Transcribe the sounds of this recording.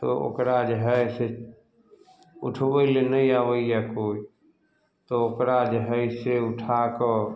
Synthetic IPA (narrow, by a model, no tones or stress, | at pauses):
t̪o̰o̰kɾad͡ʒəɦəse | ʊ̰ʈʰʋəilenəiaʋəijakoːi | t̪ookɾad͡ʒəɦəseʊʈʰaːkɔ